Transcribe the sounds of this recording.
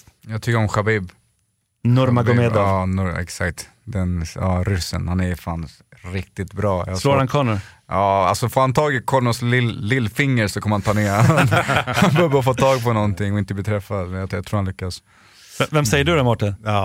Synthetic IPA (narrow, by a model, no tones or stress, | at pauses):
jɑːɡt̪ʰʏkːəɾɔmɧabiːb | nʊɾmaɡɔmed̪ɑnʊɛ̰ksakt̪ | d̪ɛnɑ̰ːɾʏsə̰nhanɛjfans | ɾɪk̚t̪ɪt̪bɾɑːja̰loːɾankʰɔːɳʊʔɑːa̰lsɔfoːɾhant̪ʰɑːɡɪkʰɔɳʊslɪːɪlːfɪŋːəɾsɔkʰɔmːəɾhant̪ʰɑːneːananbœɾbfɔt̪ʰːɑːɡpʰɔnɔnt̪ɪŋːɔɪnt̪əbliːt̪ʰɾɛfːad̪mɛnjajat̪ʰɾuːɾhanlʏkːas | vɛmsɛjːəɖɵd̪ɛmɔʈːɪnː